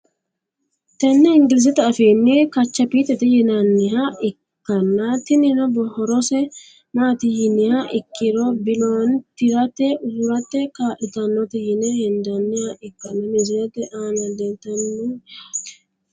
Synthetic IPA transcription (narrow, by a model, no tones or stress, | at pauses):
t̪ɛnːɛɪŋɡɪlɪs̬ɛt̪ɛɐfeːnːɪkɐt͡ʃːɐpiːt̪ɛt̪ɛjɪnɐnːɪɦɐɪkːɐnːɐt̪ɪnɪnɔbɔhɔɾɔsɛ | maːt̪ɪjɪnɪhɐʔɪkːɪɾɔbɪlont̪ɪɾɐt̪ːɛʔʊɾɐt̪ːɛkaːʔɪt̪ɐnːɔt̪ɪjɪnɛhɛnd̪ɐnːɪhɐʔɪkːɐnːɐmɪzɪɾɛt̪ːɛʔaːnɐd̪ɛnt̪ːɐnːɛ